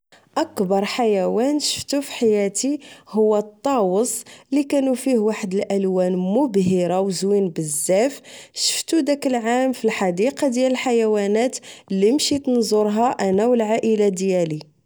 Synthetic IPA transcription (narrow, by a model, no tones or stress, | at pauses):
ʔækbɑɾˤħajæwænʃə̥ft̪ufi̥ħajæt̪ihʊwːæt̪ˤːɑwəsˤlikænufihwaħəd̪əlʔælwænmʊbɦiɾawzwinbəzːæfʃə̥ft̪ud̪ækəlʕamfilħɑd̪iqɑd̪jæləlħajæwænæt̪lːimʃit̪nzˤoɾˤɦɑʔænæwəlʕaʔəlad̪jæli